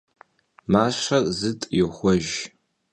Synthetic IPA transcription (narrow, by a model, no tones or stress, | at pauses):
maːʃɐzɨtʼjɛxʷɔʒ